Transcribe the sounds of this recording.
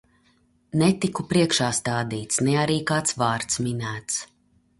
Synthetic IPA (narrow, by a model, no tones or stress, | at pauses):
nɛt̪ikupɾiɛkʃaːst̪aːd̪iːt̪snɛaɾiːkaːt̪svaːɾt̪sminæːt̪s